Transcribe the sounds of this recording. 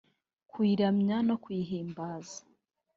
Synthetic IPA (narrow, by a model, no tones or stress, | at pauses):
kwiːɾamɲano̞kwiːɦiːmbaːzḁ